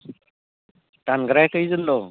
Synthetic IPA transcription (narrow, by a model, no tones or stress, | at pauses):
tanɡɾajkɯjzɯnd̪ɔ